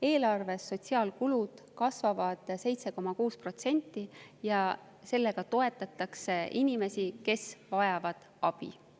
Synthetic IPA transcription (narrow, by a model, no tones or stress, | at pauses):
e̞ːlɑrve̞sːo̞t̪ʲsiɑːlkulud̪̥ | kɑsvɑvɑd̪̥se̞jt̪se̞ko̞mɑkuːspro̞t̪se̞nʲt̪ːˑijɑ | se̞lːe̞ɡ̥ɑt̪o̞e̞t̪ːˑɑt̪ːˑɑkse̞inʲime̞sike̞svɑjɑvɑd̪̥ | ɑb̥ḭ